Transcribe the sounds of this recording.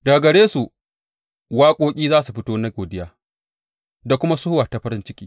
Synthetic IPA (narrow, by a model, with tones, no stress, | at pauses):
da˨ɡɐ˨ɽeː˦su˨ | waː˦kʷʼoː˦kʲʼiː˦zaː˦su˨ɸɪ˦toː˦na˦ɡoː˨dɪ˦jaː˦˨ | da˨kʷʊ˦ma˦sʊ˦wa˨ta˨ɸɐ˦ɾɪ˦nt͡ʃɪ˦kʲi̥ː˦